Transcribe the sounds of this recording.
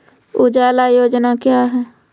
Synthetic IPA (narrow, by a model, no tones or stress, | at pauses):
ʊd͡ʒaːlajoːd͡ʒnakjaːɦɛː